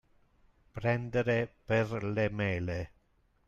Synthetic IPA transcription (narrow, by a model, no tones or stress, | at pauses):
pɾɛnd̪eɾeperlemɛːle